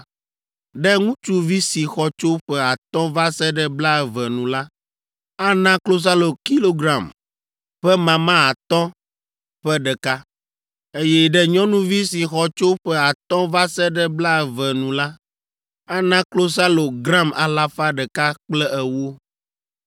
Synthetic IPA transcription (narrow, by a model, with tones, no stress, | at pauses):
ɖɛ˦ŋũ˦t͡ʃu˦vi˦si˨xɔ˦t͡ʃo˦ɸɛ˦a˨t̪ɔ̃˦va˦sɛ˦ɖɛ˦bla˦ɛ˨vɛ˨nũ˨la˦ | a˦nã˦klo˦s̬a˦lo˨ki˦lo˦ɡɾã˨m | ɸɛ˦mã˨mã˦a˨t̪ɔ̃˦ | ɸɛ˦ɖɛ˨ka˦ | e˦jɛ˦ɖɛ˦ɲɔ̃˦nũ˦vi˦si˨xɔ˦t͡ʃo˦ɸɛ˦a˨t̪ɔ̃˦va˦sɛ˦ɖɛ˦bla˦ɛ˨vɛ˨nũ˨la˦ | a˦nã˦klo˦s̬a˦lo˨ɡɾã˦ma̰˨la˦fa˦ɖɛ˨ka˦k͡plɛ˦ʔɛ˨wo˦